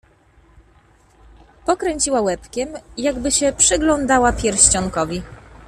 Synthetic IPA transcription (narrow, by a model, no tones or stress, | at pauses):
pɔkɾɛɲʲt͡ɕiwawɛpkʲɛmjaɡbɘɕɛpʂɘɡlɔnd̪awapʲjɛɾɕt͡ɕɔŋkɔvʲi